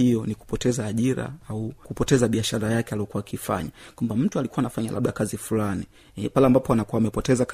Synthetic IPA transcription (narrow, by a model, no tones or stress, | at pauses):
ijɔniku̥pɔtɛzaːʄiɾa̰aukupɔtɛzaɓiaʃaɾajakɛaliɔkuwaːkifa̰ɲakwambam̩tualikuwaːnafaɲa̰la̰ɓɗakazifulani | palɛambapɔanakuaːmɛpɔtɛzak